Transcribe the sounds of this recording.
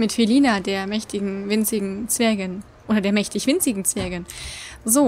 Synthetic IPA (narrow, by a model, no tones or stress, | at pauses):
mɪtfeliːnadeːɐmɛçtʰɪɡŋ̩vɪnt͡sɪɡŋ̩t͡sv̥ɛɐɡən | ʔoːdɐdeːɐmɛçtɪçv̥ɪnt͡sɪɡŋ̩t͡sv̥ɛɐɡənzoː